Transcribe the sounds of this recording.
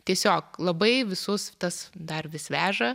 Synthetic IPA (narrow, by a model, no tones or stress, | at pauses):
t̪ʲiɛsʲoːklˠɐbɐɪʋʲɪsʊst̪ɐsd̪ɐrʋʲɪsʋʲæːʒɐ